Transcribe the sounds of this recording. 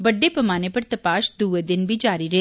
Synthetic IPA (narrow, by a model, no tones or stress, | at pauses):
bəɖːeːpəmaːneːpəɾt̪əpaːʃd̪uːeːd̪ɪnʋʱiːd͡ʒaːɾiːɾɐɦeː